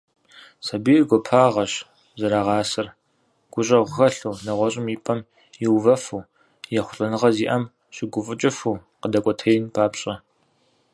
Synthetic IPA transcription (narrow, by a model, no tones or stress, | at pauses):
sɐbirɡʷɔpʰaːʁɐɕ | zɐɾaʁɑːsɨr | ɡ̥ʷʊɕʼɐʁʷʊxɐɬuːnɐʁʷɔɕʼɪmiːpʼɐm | jɪwvɐfuː | jɛχʷʊɬʼɐnɨʁɐziːʔɐm | ɕʼɪɡʷʊfʼɨt͡ʃʼɪfuː | qədɐkʷʼɔtʰɐjɪnpʰaːpɕʼɐ